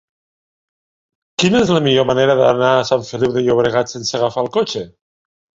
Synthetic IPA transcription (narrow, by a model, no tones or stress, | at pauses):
kinəezləmiʎomaneɾəðənaːsaɱfəlip̚ðəʎoβ̞ɾeɣ̞at̪sensəɣafalˠkot͡ʃe